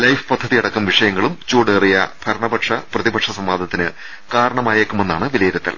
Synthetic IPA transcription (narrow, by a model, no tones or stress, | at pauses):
lɐjfɨ̥pɐd̪ʱːɐðijɐɽɐkːuɐmʋiʂɐjɐŋːɐɭumt͡ɕoːɽeːrijɐ̰b̥ʱɐɾɐɳɐbɐʈʂɐprɐðibɐʈʂɐsɐmʋaːd̪ʱɐt̪ːinɨ | kaːɾɐɳɐmaːjeːkːume̞nːaːɳɨʋilɐjiɾɐt̪ːɐ̰l